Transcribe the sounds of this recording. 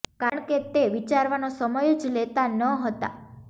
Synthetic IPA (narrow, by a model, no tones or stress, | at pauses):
kaɾəɳ̃ket̪eʋit͡ʃaɾʋanosəməjd͡ʒlet̪anəɦət̪a̰